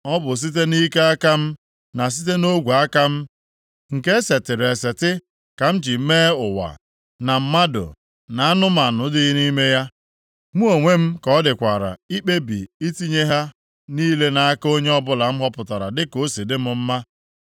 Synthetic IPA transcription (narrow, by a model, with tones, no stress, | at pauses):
ɔ˦bʊ˨s̬i˦t̬e˦ni˦ke˦a˦ka˦m̩˦ | na˨s̬i˦t̬e˦no˦ɡʷu˨a˦ka˦m̩˦ | ŋ̩˨ke˦se˨tɪ˨ɾe˨se˨tɪ˦ | ka˨m̩˦d͡ʒi˨˦meː˦ʊ˨wa̰˨ | na˨m̩˦ma˦dʊ̰˨ | na˨a˦nʊ˦ma˨nʊ˨dɪ˦i˦ni˦me˦ja˦ | mu˦o˨ŋʷe˦m̩˦kɔ˦dɪ˨kʷa˨ɾa̰˨i˦k͡pe˦bḭ˨i˦ti˦ɲe˦ɦa˦ | niː˦le˦na˨a˦ko˦ɲe˦ɔ˦bʊ˦la˨m̩˦ɦɔ˦pʊ˨ta˨ɾa̰˨dɪ˦ko˨˦si˨dɪ˦m̩˦m̩˦ma˦